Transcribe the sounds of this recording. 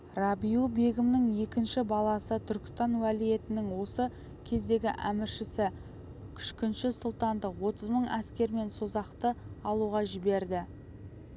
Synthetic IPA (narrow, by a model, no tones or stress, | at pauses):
rɑbijube̞ɡʲɪmnɪŋje̞kʲɪnʃɪbɑlˠɑsət̪ʰʏɾkʲɪ̥st̪ɑnwælije̞t̪ɪnɪŋwo̞sə | kʲʰe̞zd̪e̞ɡʲɪʔæ̰mɪɾʃɪsɪ | kʲʰʏ̥ʃkʲɪnʃɪsʊlˠt̪ɑnd̪əqwo̞t̪əzməɴæskʲe̞ɾme̞nso̞zɑqt̪əɑlˠuʁɑʒɪbe̞ɾd̪ɪ